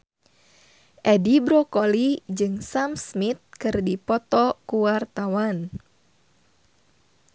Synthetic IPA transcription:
ʔɛdibɾokolid͡ʒɨŋsamsmit̪̚kɨrdipɔt̪ɔkuwart̪awan

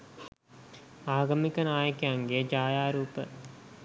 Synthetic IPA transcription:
aːɡɐmikənaːjəkejaŋɡed͡ʒaːjaːɾuːpə

